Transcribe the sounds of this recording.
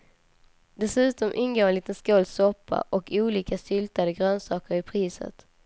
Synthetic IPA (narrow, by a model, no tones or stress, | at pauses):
d̪ɛsʉ̟ːt̪ɔmʔɪnɡoːɛnliːt̪ənskoːlsɔpʰːa̰ʔɔkʰuːliːkasʏlt̪ad̪əɡɾøːnsɑːkəɾɪpʰɾiːsə̰t̪